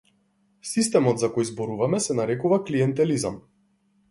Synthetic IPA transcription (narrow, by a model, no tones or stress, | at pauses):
sist̪ɛmɔd̪zakɔjzbɔɾuvamɛsɛnaɾɛkuvakliɛnt̪ɛliza̰m